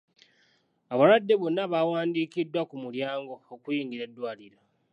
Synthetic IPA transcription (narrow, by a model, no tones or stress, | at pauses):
aβaɾwadːe̞βonːaβawaːndiːkidːwakumuljaːŋɡo̞ːkujiːŋɡiɾe̞dːwaːliɾa